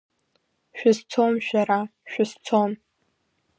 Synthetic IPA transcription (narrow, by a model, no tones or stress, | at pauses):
ʃᶣɪzt͡sʰomʃᶣaɾaʃᶣʊzt͡sʰom